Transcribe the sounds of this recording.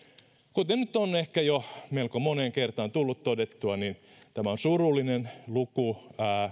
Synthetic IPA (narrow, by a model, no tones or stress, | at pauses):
kut̪enyt̪onehkæjomeilkomoneŋkert̪ɑnt̪ulːut̪t̪odet̪ːuɑnin | t̪æmæonsurulːˑinenlukuæː